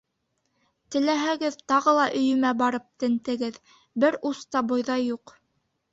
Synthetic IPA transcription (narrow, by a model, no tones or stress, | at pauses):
t̪ɘ̆læɦæɡɘðt̪ɑʁɤlˠɑʔɵ̆jɵ̆mæbɑɾɤp̚t̪ɘ̆nt̪ɘ̆ɡɘð | bɘɾust̪ɑbŏjðɑjːuq